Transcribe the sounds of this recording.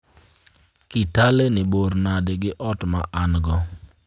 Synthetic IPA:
kɪtalenɪboɾnadɪɡɪʔɔtmaʔanɡɔ

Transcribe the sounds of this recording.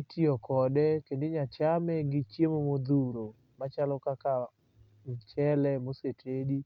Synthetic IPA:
tiɔkɔdɛkendeɲat͡ʃamɛɡɪt͡ʃjemomod̪uɾo | mat͡ʃalɔkaka | m̩t͡ʃɛlɛmosetʰedi

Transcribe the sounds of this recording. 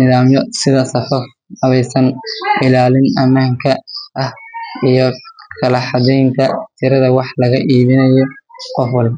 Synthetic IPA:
nɪðaːmjɔsɪðɐsɐfɐf | ɐβɛjsɐnʔɪlaːlɪnʔɐmaːŋkʰɐʔɐhijɔkʰɐlɐħɑdɛjnt̪ʰɐt̪ʰɪɾɐðɐwɑħlɐɣɐʔiːðɪnɐjɔqɔfwɑlbɐ

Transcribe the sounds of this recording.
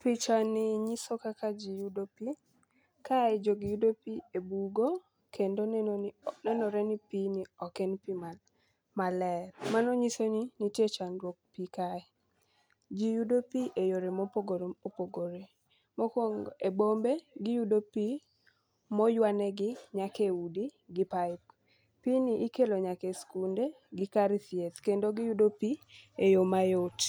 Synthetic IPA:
pit͡ʃanɪɲisokakad͡ʒijudopi | kaɛd͡ʒoɡɪjudopiebuɡo | kʰendonnɛnɔɾɛnipinɪɔkɛnpi | malɛɾmanɔɲisoninitjet͡ʃandwok̚pikaɛ | d͡ʒijudopiʔejoɾemopoɡoɾeopoɡoɾe | mokwoŋebombeɡɪjudopi | mɔjwanɛɡɪɲakeudiɡɪpaɪp | piniʔikeloɲakɛskunde | ɡɪkaɾiθjet̪kendoɡɪjudopiejomajot

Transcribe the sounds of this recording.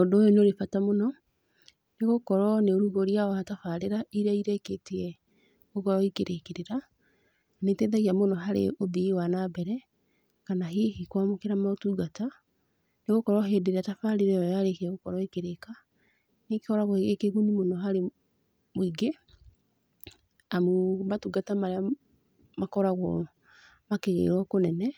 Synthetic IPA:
odoːjonoɾefatamonɔ | neɣokɔɾɔneoɾuɡoɾiaɔhatafaɾeɾaiɾaiɾaiketeɛ | oɣɔɾɔikeɾʔekeɾeɾa | netɛːðaɣiamonɔɦaɾḛobiwanabɛɾɛ | kanaɦehikwamokeɾamaotuɡata | neɣokɔɾɔɦeːdeɾeatafaɾeɾɛɔjaɾekeɣokɔɾɔikeɾeka | nekeɔɾaɣɔekeɣunimonɔɦaɾe | moiɡe | amomatuɡatamaɾea | makɔɾaɣwɔ | makeɣḛɾwɔkonɛnɛ

